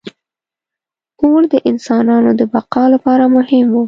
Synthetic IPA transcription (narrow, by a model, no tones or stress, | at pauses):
koɽd̪əʔɪnsɑnɑnod̪əbaqɑlapɑɾamʊhɪmwu